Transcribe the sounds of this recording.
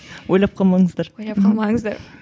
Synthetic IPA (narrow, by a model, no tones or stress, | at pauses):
wojlˠɑp̚qʰɑlˠmɑɴəzd̪ɑɾoj̪ˠɑpqʰɑlˠmɑŋəzd̪ɑɾ